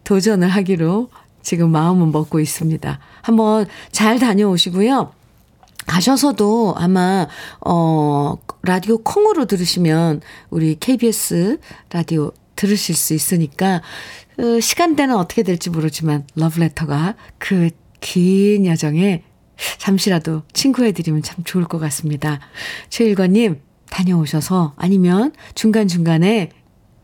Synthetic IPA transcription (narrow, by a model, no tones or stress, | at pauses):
tod͡ʑʌnɯɭɦaɡiɾo | t͡ɕiɡɯmːaɯmɯɭmʌk̚k͈ois͈ɯmɲida̰ | hambʌnt͡ɕaɭtaɲʌoɕʰiɡujo | kaɕʰʌsʰʌdoa̰maʌ | ɾadiokʰoŋɯɾodɯɾɯɕʰimjʌnuɾikʰe̞ibie̞s͈ɯɾadio | tɯɾɯɕʰiɭs͈uis͈ɯɲik͈a | ɯɕʰi̥ɡ̥ant͈e̞nɯnʌt͈ʌ̥kʰe̞deɭt͡ɕ͈imoɾɯd͡ʑimanlʌbɯɭe̞tʰʌɡakɯ | kʰinjʌd͡ʑʌŋe̞ | t͡ɕamɕʰiɾadot͡ɕʰiŋɡuɦe̞dɯɾimjʌnt͡ɕʰamt͡ɕoɯɭk͈ʌk͈as͈ɯmɲidat͡ɕʰeiɭɡwaɲːim | taɲʌoɕʰʌsʰʌa̰ɲimjʌnt͡ɕuŋɡant͡ɕuŋɡane̞